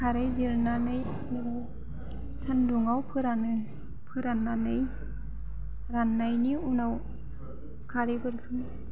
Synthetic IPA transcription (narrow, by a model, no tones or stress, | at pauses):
kʰaɾɯjziɾnanɯj | miɾaw | sʰanduŋawpʰɯɾanɯ | pʰɯɾanːanɯj | ɾanːajniunaw | kʰaɾɯjbɯɾkʰɯŋ